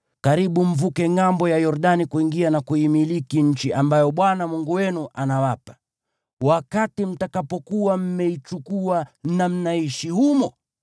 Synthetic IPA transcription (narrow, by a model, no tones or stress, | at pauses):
kaɾiɓum̩vukɛŋambɔjajɔɾɗanikuiŋɡianakuimilikiɲ̩t͡ʃiʔambajɔɓwanamuŋɡuwɛnuʔanawapḁ | wakatim̩takapɔkuwam̩mɛit͡ʃukuanam̩naiʃihumɔ